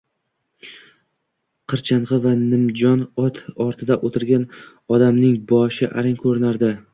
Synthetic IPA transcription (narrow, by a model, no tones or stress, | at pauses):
qʰɨɾt͡ʃʰanʁɨvanɪmd͡ʒɒnɒt̪ʰɒɾt̪ʰɪd̪aʔot̪ʰɪɾɡʲan | ɒd̪amnɪŋbɒʃɪʔa̰ɾɪŋkʲʰɵɾɪnaɾd̪ɪ